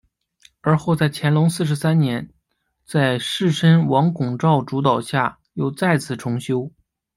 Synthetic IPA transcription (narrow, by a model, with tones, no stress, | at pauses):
ə˞˧˥xo˥˧ʊt͡sa˥˩ɪt͡ɕʰjɛ˧˥nlʊ˧˥ŋsɹ̩˥˩ʂ̬ɻ̩˧˥sa˥nnjɛ˧˥n | t͡sa˥˧ɪʂɻ̩˥˩ʂə˥nwɑ˧˥ŋkʊ˨˩ŋʈ͡ʂɑ˥˩ʊʈ͡ʂu˧˥t̪ɑ˨˩ʊɕja˥˩ | jo˥˧ʊt͡sa˥˩ɪt͡sʰɹ̩˨˩ʈ͡ʂʰʊ˧˥ŋɕjo˥ʊ